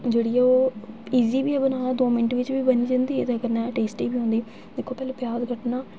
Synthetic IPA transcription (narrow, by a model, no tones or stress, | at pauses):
d͡ʒeːɽiːɛoːiːziːbiːɛːbənaːnaːd̪oːmɪnəʈʋɪt͡ʃʋiːbəniːd͡ʒãnd̪iːɛt̪eəɡəɾnɛ̃ːʈeːsʈiːbiːɦõːnd̪iː | d̪ɪkʰːoːpɛːloːpɪjaːzkəʈnaː